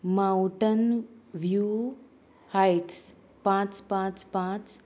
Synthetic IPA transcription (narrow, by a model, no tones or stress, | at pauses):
maũʈənʋjuː | hajʈs | pãːt͡spãːt͡spãt͡s